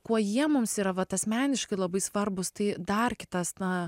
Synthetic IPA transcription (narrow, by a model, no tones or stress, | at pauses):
kuɔjiɛmʊmsiːɾɐʋɐt̪ɐsmʲæːnʲɪʃkɐɪlˠɐbɐɪsʋɐrbʊst̪ɐɪd̪ɐrkʲɪt̪ɐsnɐ